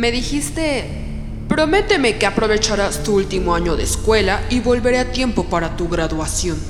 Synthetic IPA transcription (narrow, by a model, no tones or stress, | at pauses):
me̞ðixist̪e̞ | pɾo̞me̞t̪eme̞keapɾo̞βe̞t͡ʃaɾast̪uult̪imoaɲo̞ðḛskwe̞laiβo̞lβe̞ɾeat̪je̞mpo̞paɾat̪uɣɾaðwasjo̞n